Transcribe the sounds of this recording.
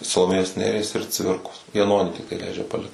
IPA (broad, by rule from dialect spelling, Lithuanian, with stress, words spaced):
sɐlˠoːˈmʲeːjoːs ˈnʲæːrʲiɛs ɪr ˈt͡sʲʋʲɪrkoːs jɛˈnoːnʲiː ˈtʲɪktɐɪ ˈlʲɛɪd͡ʒʲɛ pɐˈlʲɪkt